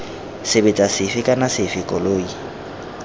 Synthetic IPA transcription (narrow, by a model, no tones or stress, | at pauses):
sɪbet͡sʼasɪfɪkʼanasɪfɪkʼɔloːi